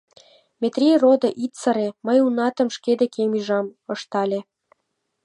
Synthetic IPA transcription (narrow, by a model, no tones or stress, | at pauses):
mʲet̪rʲirod̪ɤ̆ʔit̪t͡səɾeməjunɑt̪ə̆mʃked̪ekemyʒɑmɤ̆ʃt̪ɑlʲe